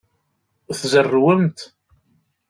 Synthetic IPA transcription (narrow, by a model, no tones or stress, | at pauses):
θzərːwəmt̪